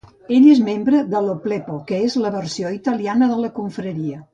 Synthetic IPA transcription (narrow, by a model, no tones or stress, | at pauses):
eʎezmembɾəd̪əloplepokəezləβərsioit̪əlianəðələkuɱfɾəɾiə